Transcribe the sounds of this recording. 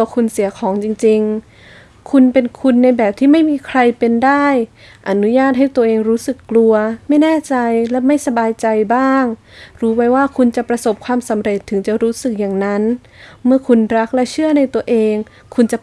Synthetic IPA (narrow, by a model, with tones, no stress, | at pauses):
kʰu˧nsi˨˩˦ɐkʰɔː˩˦ŋt͡ɕi˧ŋt͡ɕi˧ŋ | kʰu˧npe˧nkʰu˧nːa˧jbɛː˨˩p̚t̪ʰiː˥˩ma˥˩jmiː˧kʰɾa˧jpe˧ndaː˥˩j | ʔa˧˩nu˦˥jaː˥˩t̪̚ɦa˥˩jt̪u˧əʔeː˧ŋɾuː˦˥sɯ˨˩kːlu˧ɐma˥˩jnɛː˥˩t͡ɕa˧jlɛ˦˥ma˥˩jsa˧baː˧jt͡ɕa˧jbaː˥˩ŋ | ɾuː˦wa˦˥jwaː˥˩kʰu˧nt͡ɕa˨˩pɾa˧so˨˩p̚kʰwaː˧msa˨˩˦mɾe˨˩t̪ʰːɯ˩˦ŋt͡ɕa˨˩ɾuː˦˥sɯ˨˩k̚jaː˨˩ŋna˦˥n | mɯ˥˩ɐkʰu˧nɾa˦˥k̚lɛ˦˥t͡ɕʰɯ˥˩əna˧jt̪u˧əʔeː˧ŋ | kʰu˧nt͡ɕa˨˩